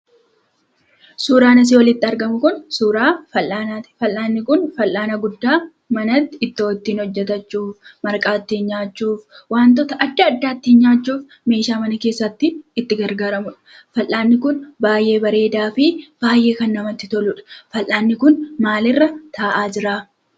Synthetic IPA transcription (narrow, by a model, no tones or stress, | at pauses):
suːɾaːnɐs̬ɪwɔlɪt̪ːɪɐɾɡɐmʊkʊnsuːɾaːfɐlʔaːnafɐlːaːnːɪkʊnfɐlʔaːnɐɡʊd̪ːaː | mɐnɐt̪ːɪɪt̪ːɪoːt̪ːiːnhɔd͡ʒːɛt̪ɐt͡ʃːuːfmɐɾkʼaːt̪ːɪnɲaːt͡ʃːuːfwaːnt̪ɔːt̪ɐʔɐd̪ːɐːd̪ːaːt̪ːɪhnɲaːt͡ʃːuːf | me̞ːʃaːmɐnɐke̞ːsːɐt̪ːɪːt̪ːɪɡɐɾɡaːɾɐmʊᶑɐ̥ | fɐlːaːnːɪkʊnbaːjʔe̞ːbɐɾe̞ːd̪aːfɪb̥aːjʔe̞ːkɐnːɐmɐt̪ːɪt̪ɔlʊᶑɐ̥fɐlʔaːnːɪkʊnmaːlɪrːɐt̪ʰaːʔaːd͡ʒɪɾaː